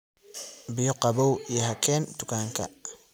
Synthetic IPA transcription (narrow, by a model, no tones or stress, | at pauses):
bɪjɔqɑβɔwijɦɐkʰɛːnt̪ʊkʰaːŋkʰɐ̰